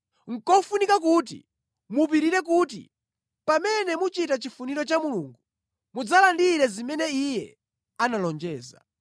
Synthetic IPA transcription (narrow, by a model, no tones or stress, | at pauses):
ŋ̩kɔfunikak̬ut̬ḭ | mup̬iɾiɾɛk̬ut̬ḭ | pamɛnɛmut͡ʃitat͡ʃifuniɾɔt͡ʃamuluŋɡu | mud͡zalandiɾɛzimɛnɛijɛ | analɔnd͡ʒɛːza̰